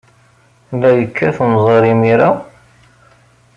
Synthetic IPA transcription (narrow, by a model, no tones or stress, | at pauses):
læjəkʰːæθnzˤəɾimiɾa